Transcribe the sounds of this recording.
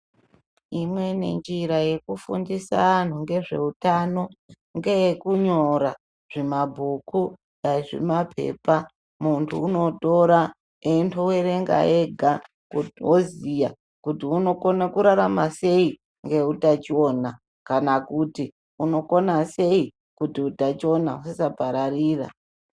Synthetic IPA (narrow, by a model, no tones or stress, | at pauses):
imwe̞ne̞̰nd͡ʒiɾaje̞kufṵndisa̰an̤uŋɡe̞ʐe̞̰utano̞ | ŋɡe̞jekuɲoɾa | ʐ̥emabʱuku | aʐḛmapʰe̞̰pa | muntʰuːno̞to̞ɾa | entʰuwe̞ɾe̞ŋɡa̰e̞ɡʱa | kutiozija | kutiuno̞konakuɾaɾamase̞i | ŋɡe̞utat͡ʃio̞ːna | kanakuti | uno̞ko̞nase̞i | kutiutat͡ʃio̞na̰usisapaɾariːra̰